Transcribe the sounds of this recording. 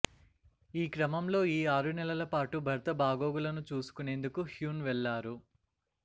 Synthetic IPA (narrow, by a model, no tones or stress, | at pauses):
iːkɾɐmɐmlo̞ːiːaːɾunɛlɐlɐpaːʈubʱɐɾt̪ɐbʱaːɡoːɡulɐnut͡ʃuːsu̥kune̞ːnd̪ukuhjuːnʋɛɭːaːɾu